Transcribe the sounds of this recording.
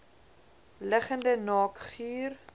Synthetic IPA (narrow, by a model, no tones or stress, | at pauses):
ləχəndənɑːkχyːr